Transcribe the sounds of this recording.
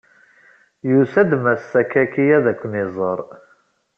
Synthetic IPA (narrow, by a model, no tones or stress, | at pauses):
jusæd̪mæsːækækijæðækʷːnizˤəɾˤ